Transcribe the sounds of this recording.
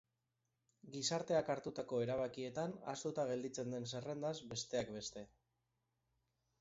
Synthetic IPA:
ɡisaɾt̪e̞akaɾt̪ut̪ako̞e̞ɾaβakie̞t̪ana̰st̪ut̪aɣ̞e̞ld̪it͡se̞nd̪e̞nse̞re̞nd̪azbe̞st̪e̞akbe̞st̪e̞

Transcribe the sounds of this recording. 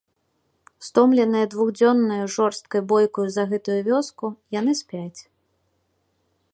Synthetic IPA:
st̪ɔmlʲɛnɨjɐd̪vuɣd͡zʲɔnːɐjuʐɔrst̪kɐjbɔjkɐjuzɐɣɛt̪ujuvʲɔskujan̪ɨsʲpʲat͡sʲ

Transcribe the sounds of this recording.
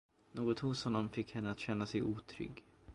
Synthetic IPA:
noːɡɔt̪hʊshɔnːɔmfɪkːhɛnːəat̪ɕɛnːasɛjʔuːt̪ʰɾʏ̰ɡ

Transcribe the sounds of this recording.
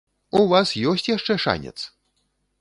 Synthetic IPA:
uvasjɔsʲt͡sʲjaʂt͡ʂɛʂa̰nʲɛ̰t̪s

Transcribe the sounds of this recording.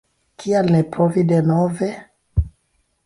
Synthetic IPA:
kialnɛpɾɔvidenɔvɛ

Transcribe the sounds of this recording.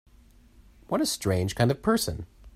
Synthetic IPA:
wʌɾɨstɹ̥ẽɪ̃nʒ̥kʰãɪ̃ndv̥pʰɜ˞sɨ̰̃n

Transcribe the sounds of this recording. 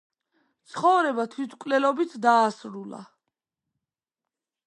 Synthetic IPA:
t̪sʰχɔvɾɛbat̪ʰwit̪ʰkʼlɛlɔbit̪ʰd̪aːsɾula̰

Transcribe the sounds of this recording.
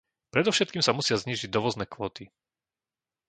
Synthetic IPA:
pɾɛd̪ɔfʃɛt̪̚kiːmsamusɪazɲiːʒiɟ̚d̪ɔʋɔznɛːkʋɔːt̪i

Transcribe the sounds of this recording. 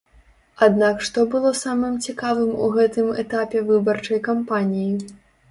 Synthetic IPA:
ad̪nakʂt̪ɔbɨlˠɔsamɨmt͡sʲikavɨmṵɣɛt̪ɨmɛt̪apʲɛvɨbɐrt͡ʂɐjkampanʲiji

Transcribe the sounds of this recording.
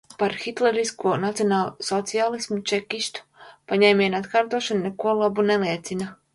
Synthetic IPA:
paɾxit̪lɛɾiskuɔnat̪sijɔnaːlˠsɔt̪sialˠismut͡ʃɛkiʃt̪u̥paɲɛjmʲijnat̪kaːɾt̪uɔʃannekuɔlˠabuneliɛt̪sina

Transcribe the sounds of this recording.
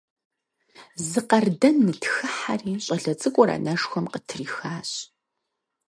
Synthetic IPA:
zɨqɐrdɐnːɨtxɨħariːɕʼɐɮɐt͡sʼɨkʷʼɔɾa̰ːnɐʂxʷɔmqətʰɨriːxaːɕʼ

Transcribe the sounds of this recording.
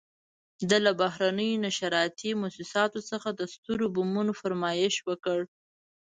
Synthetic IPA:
d̪əlabaɦɾanəjonaʃaɾɑjt̪imʊsɪsɑt̪osəxad̪əst̪uɾobumunofaɾmɑjɪʃwəkəɽ

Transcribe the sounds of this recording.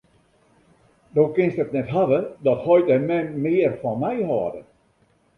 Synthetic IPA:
dowkɪnstətnɛtɦaʋədɔthɔjtəmɛnmɪərfɔnmɛjhɔːdə

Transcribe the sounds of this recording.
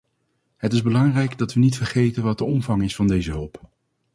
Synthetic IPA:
ɦətɪzbəlɑŋrɛjɡdɑtʋənitfərχejtənʋɑt̚dəɔmvɑŋɪsfɑndejzəɦɵlˠp

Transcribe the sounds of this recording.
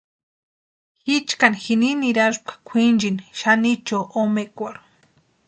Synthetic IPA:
xit͡ʃkanxininiɾaʐp̚kḁkʷʰind͡ʒinʃanit͡ʃoʔomekʷaɾ

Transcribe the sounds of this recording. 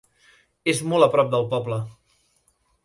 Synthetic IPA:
ezmɔlˠəpɾɔp̚d̪əlˠpɔblə

